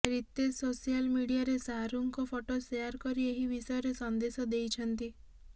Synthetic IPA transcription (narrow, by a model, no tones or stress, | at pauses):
ɾit̪esosialmiɽijaɾesaɦɾuŋkɔpʰoʈosejaɾkɔɾieɦibisɔjɔɾesɔnd̪esɔd̪ejt͡ʃʰɔnt̪i